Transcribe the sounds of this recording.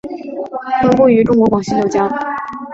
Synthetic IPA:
kə˥nku˥˩y˧˥ʈ͡ʂʊ˥ŋkwɔ˧˥kwɑ˨˩ŋɕi˧˥jo˨˩ʊt͡ɕja˥

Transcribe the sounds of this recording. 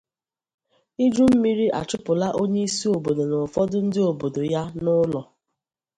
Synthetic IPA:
i˦d͡ʒu˦m̩˦mi˦ɾi˦ʔa̰˨t͡ʃʊ˦pʊ˨la˦ʔo˦ɲe˦i˦si˦o˨bo˨do˨nʊ˨fɔ˦dʊ˦n̩˦dɪ˦o˨bo˨do˨ja˦nʊ˦lɔ˨

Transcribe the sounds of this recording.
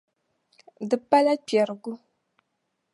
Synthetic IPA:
dɨ˨pa˦la˦pɛ˨ɾɡu˦

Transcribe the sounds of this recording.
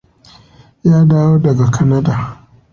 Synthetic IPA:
jaː˦daː˦woː˦dɐ˨ɡa˨kɐ˦na˦daː˨

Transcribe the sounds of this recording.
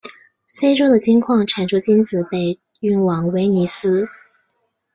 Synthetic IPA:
fe˥ɪʈ͡ʂo˥ʊd̪ə˨t͡ɕi˥ŋkʰwɑ˥˩ŋʈ͡ʂʰa˨˩nʈ͡ʂʰu˥t͡ɕi˥nd͡zɹ̩˨˩pe˥˧ɪ | y˥˩nwɑ˨˥ŋwe˧˥ɪni˧˥sɹ̩˥

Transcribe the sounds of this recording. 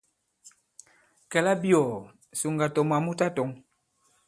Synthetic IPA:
kɛ˨la˦bi˦ɔ˨ | su˨ŋ˨ɡa˨tɔ˨m˨a˨mu˦ta˦tɔ˨˦ŋ

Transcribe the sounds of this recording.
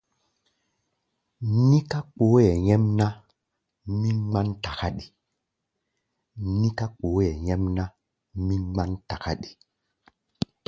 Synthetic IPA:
ni˦ka˦k͡po˨˦jɛ˨ɲɛ˦mna˦ | mi˦ŋ͡ma˦nta˨ka˦ɗi˨ | ni˦ka˦k͡po˨˦ɛ˨jɛ˦mna˦ | mi˦ŋ͡ma˦nta˨ka˦ɗi̥˨

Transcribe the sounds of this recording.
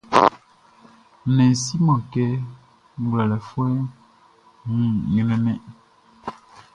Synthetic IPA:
nɛ˨n̩˨si˦mã˨kɛ˦ | ŋ˦ɡlɛ˨lɛ˨fwɛ˦ | ŋũ˦˨ɲɛ˨nɛ˦mɛ˦ʔ

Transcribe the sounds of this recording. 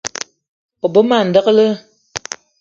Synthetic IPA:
ɔ˨bo˦ma˨n̩˨də˦ɣə˦lə˦

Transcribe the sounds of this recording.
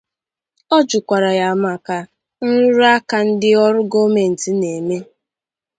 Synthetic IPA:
ɔ˦d͡ʒʊ˨kʷa˨ɾa˨ja˨ma˨ka˨ | n̩˦ɾʊ˦ɾʊ˦a˦ka˦n̩˦dɪ˦ɔ˦ɾʊ˦ɡo˦me˨n̩˨ti˦ne˨me˦

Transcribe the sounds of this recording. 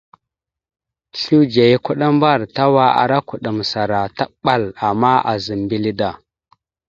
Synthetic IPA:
ɬu˦d͡ʒa˨ji˦ku˦ɗa˦mba˦˨ɾta˦wa˦a̰˨ɾa˦ku˨ɗa˨m˨sa˨ɾa˨ta˦ɓa˦˨la˨mːa˦ʔa̰˨zi˨mbi˦li˦da˨

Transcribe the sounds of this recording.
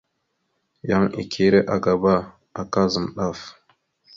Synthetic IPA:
ja˦ŋḭ˨kʰi˦ɾe˦ʔa˨ɡa˨ba˦ | a˨ka˦zə˨mɗa˦˨f

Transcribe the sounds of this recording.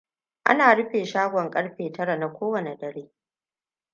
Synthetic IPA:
ʔa̰˦naː˨ɽʊ˦ɸeː˨ʃaː˦ɡʷɔ˨ŋkʼɐ˦ɽɸeː˨tɐ˦ɽa˨na˨kʷoː˦wɐ˨ne˨dɐ˨ɽeː˦

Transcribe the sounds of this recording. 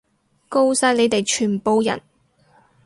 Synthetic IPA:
ko˥wsaː˧˥jle˨˧jt̪e˨jt͡ʃʰyː˨˩npo˨wjɐ̰˨˩n

